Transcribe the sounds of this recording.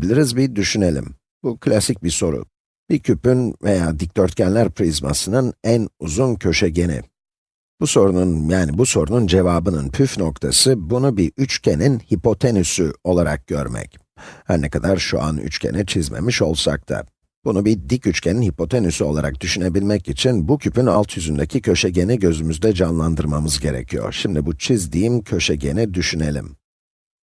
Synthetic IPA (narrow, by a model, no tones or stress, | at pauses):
bilʲiɾizbid̪yʃyne̞lʲḭm | b̥uklʲasic̚biso̞ɾʊ̰ | b̥icʰypynvejaːd̪ic̚t̪ʰøɾt̪̚cʰænlʲæɾpɾizma̰sɯnɯnænuzuncʰø̞ʃeɟe̞nḭ | b̥uso̞ɾununjaːnibuso̞ɾunund͡ʒe̞vaːbɯnɯnpʰyfno̞kt̪ʰa̰sɯbunubiyt͡ʃcʰe̞ninhipo̞t̪ʰenysyo̞lˠaɾak̚ɟ̥øɾmɛ̰c | hæ̰ɾnɛkʰad̪aɾʃṵa̰ny̰t͡ʃcʰe̞̰nit͡ʃʰizme̞̰miʃo̞lˠsa̰k̚t̪ʰa̰ | b̥unubid̪icyt͡ʃcʰe̞ninhipo̞t̪ʰenysyo̞lˠa̰ɾa̰k̚d̪̥yʃyne̞bilʲmɛcit͡ʃʰinbucʰypynalˠt̪ʰjyzynd̪ecʰicʰø̞ʃɛɟe̞niɟø̞zymyzd̪ɛd͡ʒanlˠand̪ɯɾmamɯzɟe̞ɾḛcʰijo̞̰ɾʃimd̪ibut͡ʃʰizd̪iːmcʰø̞ʃɛɟe̞nid̪yʃyne̞lʲḭm